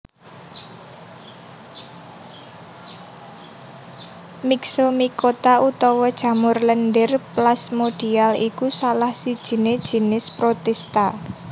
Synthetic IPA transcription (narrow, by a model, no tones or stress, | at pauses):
miksomikot̪aut̪ɔwɔd̥ʒ̥ä̤mʊrlənɖɪrplasmoɖ̥i̤alikusalahsid̥ʒ̥i̤ned̥ʒ̥i̤nɪspɾot̪ɛst̪a